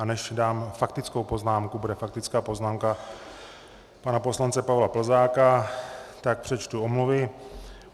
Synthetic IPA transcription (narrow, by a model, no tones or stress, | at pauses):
anɛʃdaːmfak̚t̪ɪt͡sko̞wpo̞znaːmkubudɛfak̚t̪ɪt͡skaːpo̞znaːmka | panapo̞slant͡sɛpavlapl̩zaːkat̪ak̚pr̥ɛt͡ʃt̪uomluvɪ